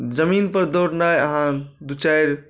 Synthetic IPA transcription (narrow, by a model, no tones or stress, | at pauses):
d͡ʒəminpəɾd̪oɽnajəɦãd̪ut͡ʃajɾ